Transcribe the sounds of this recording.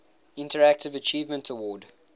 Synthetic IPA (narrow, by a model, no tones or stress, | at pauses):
ɪ̃ntʰəɹæk̚tɪvət͡ʃʰiːvmə̃ntʰəwɔːd